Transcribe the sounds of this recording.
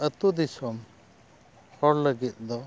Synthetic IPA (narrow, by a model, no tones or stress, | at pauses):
ət̪ud̪isɔm | hɔɾləɡit̪̚ˀd̪ɔ